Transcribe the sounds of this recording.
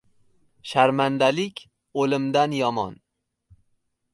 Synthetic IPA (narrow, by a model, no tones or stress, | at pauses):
ʃaɾmand̪alɪkʲʰ | olɪmd̪anjɒmɒ̰n